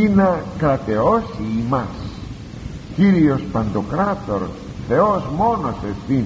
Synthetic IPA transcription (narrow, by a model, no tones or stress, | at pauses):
inɐkɾɐt̪e̞osiːmɐs | ciɾio̞spɐnd̪o̞kɾɐt̪oɾ | θe̞ozmo̞nosefθin